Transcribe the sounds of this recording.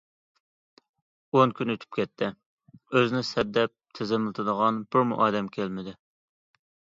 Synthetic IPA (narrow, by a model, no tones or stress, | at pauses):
onkʲynøt̪ʰy̥p̚kʲʰɛt̪ʰːɪ | øzɪnɪsɛd̪ːɛp̚t̪ʰɪzɪmɪlˠt̪ʰɨd̪əʁɑnbʊɾmṵʔɑːd̪ɛmkʲʰælmɪd̪ɪ